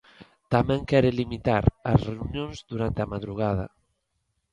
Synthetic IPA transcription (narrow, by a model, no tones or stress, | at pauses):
t̪amɛ̃ŋkɛɾelimit̪aɾɐsreunjõŋzd̪uɾant̪eamaðɾuɣ̞að̞ɐ̰